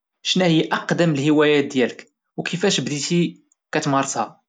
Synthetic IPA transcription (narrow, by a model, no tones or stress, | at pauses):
ʃnæhəjːʔɑqd̪əməlhəwæjæt̪̚d̪jælək | wkʰəfæʃbd̪it̪i | kæt̪mɑɾˤt̪hɑ